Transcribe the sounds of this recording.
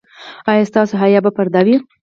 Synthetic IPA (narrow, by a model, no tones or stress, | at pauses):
ɑjɑst̪ɑsoɦajɑbapaɾd̪ɑwi